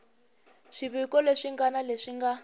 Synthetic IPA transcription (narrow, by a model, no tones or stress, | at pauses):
ʂiβikɔleʂiŋɡanaleʂiŋɡa